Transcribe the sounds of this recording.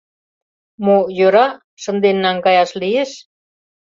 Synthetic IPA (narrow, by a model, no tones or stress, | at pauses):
mojøɾɑ | ʃə̆nd̪enːɑŋkɑjɑʃlieʃ